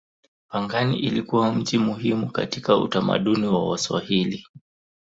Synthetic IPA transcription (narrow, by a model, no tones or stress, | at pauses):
paŋɡaniʔilikuwam̩d͡ʒimuhimuka̰tikaṵtama̰ɗuniwawaswa̰hili